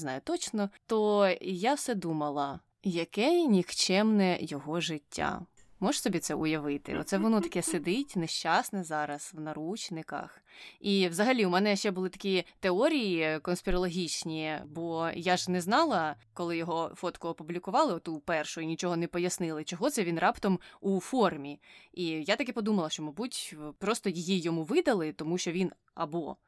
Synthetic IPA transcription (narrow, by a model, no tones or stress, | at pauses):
znɑjʊt̪ɔt͡ʃnɔt̪ɔjawsɛd̪umɐlˠɐ | jɐkɛnʲixt͡ʃɛmnɛjɔɦɔʒɪtʲːa̰ | mɔʒsɔbʲit̪sɛʔʊjɐʋɪt̪ɪ̰ɔ̰t̪sɛʋɔnɔt̪ɐ̥kɛsed̪ɪtʲnɛʃt͡ʃɑsnɛzɑɾɐswnɐɾut͡ʃnɪkɐ̰x | iwzɐɦɐlʲiumɛnɛʃt͡ʃɛbʊlˠɪt̪ɐ̥kʲit̪eɔɾʲijikɔnspʲɪɾɐlˠɔɦʲit͡ʃnʲibɔjaʒnɛznɑlˠɐ | kɔlˠɪjɔɦɔfɔt̪kʊɔpublʲikʊʋɑlˠɪɔt̪upɛrʃʊinʲit͡ʃɔɦɔnɛpɔjɐsnɪlˠɪt͡ʃɔɦɔt̪sɛʋʲinrʔɑpt̪ɐmufɔrmʲiijat̪ɐkɛpɔd̪umɐlˠɐʃt͡ʃɔmɐbutʲpɾɔst̪ɔjɪjijɔmuʋɪd̪ɐlˠɪt̪ɔmuʃt͡ʃɔʋʲin | ɐbɔ